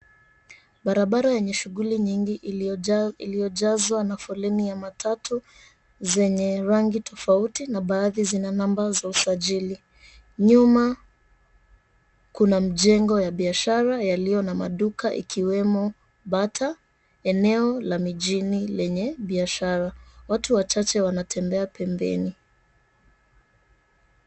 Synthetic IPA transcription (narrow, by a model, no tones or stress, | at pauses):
ɓaɾaɓaɾajɛɲɛʃuɣuliɲiŋɡiʔ | ilijɔʄazwanafɔlɛnijamatʰatʰu | zɛɲɛɾaŋɡitʰɔfautinaɓaːðizinanambazausaʄili | ɲuma | kunam̩ʄɛŋɡɔjaɓiaʃaɾajalijɔnama̰ɗukaʔḭkʰiwɛmɔ | ɓatʰa | ɛnɛɔlamiʄinilɛɲɛɓiaʃaɾawatuwat͡ʃat͡ʃɛwanatʰɛmbɛapɛmbɛ̰ni